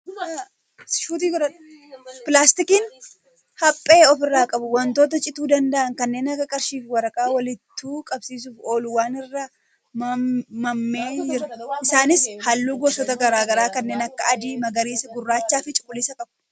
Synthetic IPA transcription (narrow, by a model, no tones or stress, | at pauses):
ʃuːt̪iːkɔɾɐn | pɪlaːst̪ɪkɪn | hɐpʼːe̞ːɔfɪrːaːkʼɐbʊwɐnt̪o̞ːt̪̬ɐt͡ʃʼɪt̪uːd̪ɐnd̪ɐʔɐŋkɐnːe̞ːnɐɡɐkʼɐɾʃiːfwɐɾɐkʼaːwɐlɪt̪ːuːkʼɐbsiːs̬uːfo̞ːlʊwaːnɪrːɐ | mɐmːe̞ːd͡ʒɪɾʔɪsaːnɪshɐlːuːɡoːsɔt̪ɐɡɐɾaːɡɐɾaːkɐnːe̞ːnɐkːɐɐd̪iːmɐɡɐɾiːsɐɡʊrːaːt͡ʃːaːfɪt͡ʃʼʊkʼːʊlːɪsɐkʼɐb̥̚